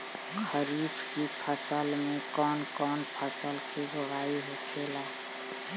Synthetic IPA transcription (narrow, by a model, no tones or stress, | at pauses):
xʰəɾiːbkipʰəsəlmẽkɔːnkɔːnpʰəsəlkiɡʊɦaːiɦokʰeːlaː